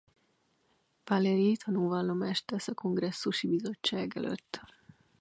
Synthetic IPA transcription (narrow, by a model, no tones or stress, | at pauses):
palɛɾit̪ʰɒnuːvalːomaʃt̪ɛsɒko̞ŋɡrɛsːuʃibizo̞t͡ʃːaːɡɛ̰lʔø̰t̪ː